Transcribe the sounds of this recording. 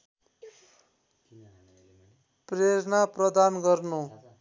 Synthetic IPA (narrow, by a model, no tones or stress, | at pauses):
preɾnaprʌd̪anɡʌrnu